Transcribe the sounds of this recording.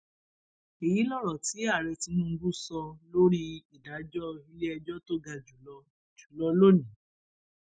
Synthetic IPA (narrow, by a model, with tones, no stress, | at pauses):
i˨ji˨˦lɔ˦˨ɾɔ˨ti˨˦a˦˨ɾe˧ti˧nũ˦ŋ̩˧ɡu˦sɔ˧lo˦ɾi˦i˨da˨˦d͡ʒɔ˦i˧le˦ɛ˧d͡ʒɔ˦to˦ɡa˧d͡ʒu˨lɔ˧ | d͡ʒu̥˨lɔ˧lo˦nĩ˨˦